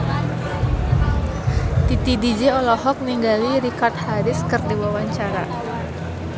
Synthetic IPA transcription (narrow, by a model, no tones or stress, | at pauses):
t̪it̪idid͡ʒɛɔlɔhɔk̚niŋɡaliɾikart̪̚haɾɪskɨrdiwawaɲt͡ʃaɾa